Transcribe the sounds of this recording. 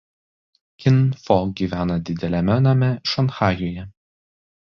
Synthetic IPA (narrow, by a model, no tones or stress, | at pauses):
kʲɪnfɔɡʲiːʋʲæːnɐd̪ʲɪd̪ʲɛlʲɛmʲɛnɐmʲɛʃɐnxɑːjoːjɛ